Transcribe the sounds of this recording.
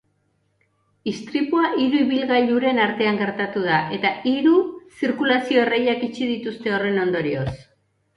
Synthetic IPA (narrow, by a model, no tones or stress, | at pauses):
ist̪ɾipuaʔiɾuiβilɣaʎuɾe̞naɾt̪e̞aŋɡe̞ɾt̪at̪uð̞aʔe̞t̪aʔiɾusiɾkulasio̞ere̞ʎakit͡ʃið̞it̪ust̪e̞o̞re̞no̞nd̪o̞ɾio̞s